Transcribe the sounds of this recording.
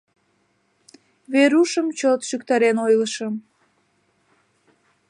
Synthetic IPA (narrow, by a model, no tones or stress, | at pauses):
βeɾuʃəmt͡ɕot̪ʃykt̪ɑɾenojləʃəm